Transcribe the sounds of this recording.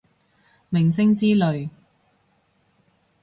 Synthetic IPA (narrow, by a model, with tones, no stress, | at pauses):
mɪ˨˩ŋsɪ˥ŋt͡siː˥lɵ˨ɥ